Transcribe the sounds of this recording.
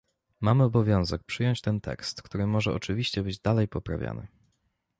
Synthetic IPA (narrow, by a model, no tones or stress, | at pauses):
mamɘɔbɔvʲjɔ̃w̃zɛk̚pʂɘjɔɲt͡ɕt̪ɛnt̪ɛ̰kst̪kt̪uɾɘmɔʐɛɔt͡ʂɘvʲiɕt͡ɕɛbɘd͡ʑd̪alɛjpɔpɾa̰vʲja̰nɘ̰